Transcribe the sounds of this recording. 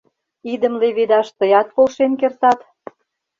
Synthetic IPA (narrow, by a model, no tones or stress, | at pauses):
id̪ə̆mleβed̪ɑʃt̪əjɑt̪̚polʃenkert̪ɑt̪